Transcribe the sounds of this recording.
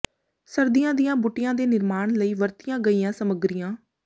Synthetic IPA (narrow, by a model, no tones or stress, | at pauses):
səɾd̪ijãːd̪ijãːbʊʈːɪjãːd̪eːnɪɾmaːɳləiːʋəɾt̪ijãːɡəiːjãːsəməɡɾijãː